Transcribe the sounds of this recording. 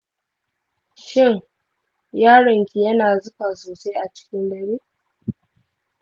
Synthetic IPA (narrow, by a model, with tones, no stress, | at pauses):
ʃɪ˦˨ŋ | jaː˦ɽɐ˨ŋkʲi˨jɐ˦naː˨zʊ˦ɸa˨soː˨se˦ʔa˨t͡ʃɪ̥˦kʲɪ˦ndɐ˨ɽiː˦